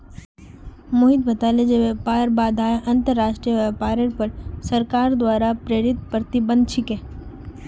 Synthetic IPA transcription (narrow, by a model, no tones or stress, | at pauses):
moɦit̪̚bət̪aːled͡ʒeʋepaːɾbaːd̪ʱãːʔɐ̃nt̪əɾːaːʃʈɾijəʋapaːɾəɾpəɾsəɾkaːɾd̪ʋaːɾapɾeːɾɪt̪̚pɾət̪ibə̃nd̪t͡ʃʰɪkẽː